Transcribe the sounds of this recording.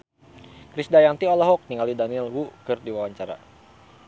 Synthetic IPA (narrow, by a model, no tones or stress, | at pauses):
kɾisdajaŋnt̪iɔlɔɦɔk̚niŋalidanilwukɨrdiwawaɲt͡ʃaɾa̰